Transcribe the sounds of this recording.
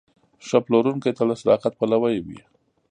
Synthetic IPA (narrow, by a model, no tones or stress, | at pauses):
ʂaploɾuŋket̪alasɾɑ̰qat̪̚palawajwḭ